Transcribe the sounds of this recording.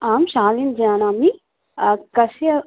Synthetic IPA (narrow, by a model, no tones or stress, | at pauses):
aːmʃaːlind͡ʒiaːnaːmi | kɐsiɐ